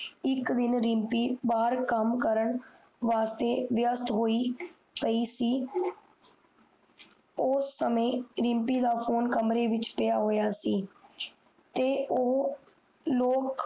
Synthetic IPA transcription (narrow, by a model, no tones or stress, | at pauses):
ɪkd̪ɪnɾɪmpiːbaːɾkəmkəɾəɳ | ʋaːst̪eːʋɪjəst̪ɦoːiː | pəiːsiː | oːsːəmẽːɾɪ̃mpiːd̪aːpʰoːnkəmɾeːʋɪt͡ʃpɪjaːɦoːjaːsiː | t̪eːoː | loːk